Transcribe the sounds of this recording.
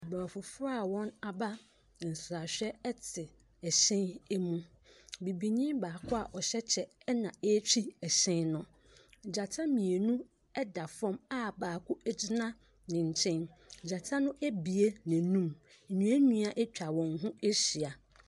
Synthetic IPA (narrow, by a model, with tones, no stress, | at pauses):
a˨ba˨fʊ˨fʊ˦ɾa˦˨wɔ̃˦na˨ba˦˨ | n̩˨sɾa˨ɕᶣɛ˦ɛ˦tʰɪ˨ | ɛ˨ɕɪ̃˦nɛ˦mũ˦ | bi˨bi˨ɲĩ˦mbaː˨kʰʊ˦a˨ʔɔ˨ɕɛ˦t͡ɕʰɛ˨ɛ˦nã˨e˦t͡ɕʰᶣi˦ɛ˨ɕɪ̃˦nnʊ̃˨ | d͡ʑa˨tʰa˦mĩ˨e˨nũ˦ | ɛ˦da˨fɔ̃˦ma˦˨baː˨kʰʊ˦ʔæ˦d͡ʑi˦nã˦ | nɪ̃˨ɲ̩˨t͡ɕʰɪ̃˦n̩˨d͡ʑa˨tʰa˦nʊ̃˦ʔæ˦bi˨e˦næ̃˨nũ˦m̩˨ | ɲĩ˨˦æ˦nũ˦a˦ʔɛ˦t͡ɕᶣa˨wɔ̃˨nɦũ˦e˦ɕi˨a˨